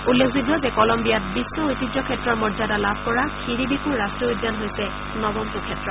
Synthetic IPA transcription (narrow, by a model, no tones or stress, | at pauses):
ulːekʰzidwɔzɛkɔlɔmbijatbisːɔojtid͡ʒɔkʰɛtɹɔɹmɔzadalabʱkɔɹakʰiɹibikuɹːastɹɔudːanɦojsɛ | nɔbɔmtukʰɛtːɹɔ